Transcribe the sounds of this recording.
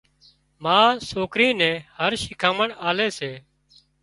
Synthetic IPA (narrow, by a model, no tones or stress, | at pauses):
mãːsoːkɾĩːnɛ̃ːhəɾʃɪkʰaːməɳaːleːseː